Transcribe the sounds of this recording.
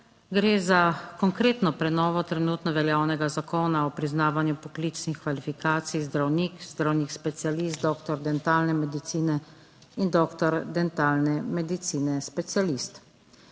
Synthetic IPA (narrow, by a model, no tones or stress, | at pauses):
ɡɾeːzakɔŋkɾeːt̪nɔpɾɛnɔːʋɔt̪ɾɛnuːt̪nɔʋɛljaːwnɛɡazakɔːnaɔpɾiznaːʋanjupɔklit͡ʃnixkʋalifikaːt̪sijzd̪ɾawniːkzd̪ɾawnikspɛt̪sialist̪̚d̪ɔːkt̪ɔɾd̪ɛnt̪aːlnɛmɛd̪it̪siːnɛ | ind̪ɔːkt̪ɔɾd̪ɛnt̪aːlnɛmɛd̪it̪siːnɛspɛt̪sialist̪